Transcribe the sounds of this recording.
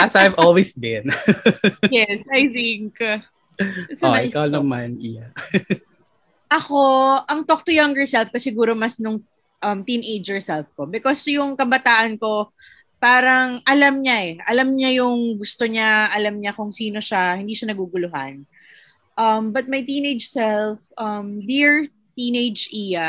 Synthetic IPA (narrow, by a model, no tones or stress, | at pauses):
asajvʔolwisbɪn | jɛsɐjθɪŋk | soʔɪkawnɐmanɪja | ʔɐko̞ʔɐŋt̪ok̚t̪ojaŋɡɛɹsɛlf̚kɐsɪɡuːɾomɐsnʊŋ | ʔɐmt̪inʔejd͡ʒɛɹsɛlfko̞bɪkosjʊŋkɐbɐt̪aːʔɐnko̞ | paːɾɐŋʔɐlamɲaʔɛʔɐlamɲajʊŋɡʊst̪oɲaʔɐlɐmɲakʊŋsiːno̞ʃahɪnd̪iːʃɐnɐɡuːɡʊlʊha̰n | ʔɐmbɐt̪̚mɐjt̪iːnejd͡ʒsɛlfʔɐmbiɹ | t̪iːnejd͡ʒʔija